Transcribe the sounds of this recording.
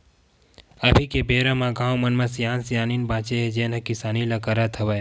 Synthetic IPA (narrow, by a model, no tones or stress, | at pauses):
abʱikebeːɾəmãɡãːwmɐnmãsjaːnsjaːninbãːt͡ʃeɦed͡ʒenə̃kɪsaːnilakəɾat̪ʰɐʋaj